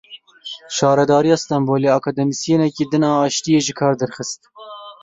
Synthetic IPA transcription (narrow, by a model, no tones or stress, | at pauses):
ʃɑːɾɛd̪ɑːɾijɑːst̪ɑmboːleɑkʰɑːd̪ɛmisjenɛkiːd̪ɨnɑːɑːʃt̪ijeːʒɪkʰɑːɾd̪ɛɾxɨst̪̚